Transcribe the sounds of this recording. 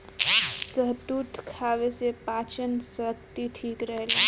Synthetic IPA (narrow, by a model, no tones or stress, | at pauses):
səɦt̪ut̪kʰaʋesepaːt͡ʃənsəkt̪iʈ̪ʰiːkɾəɦle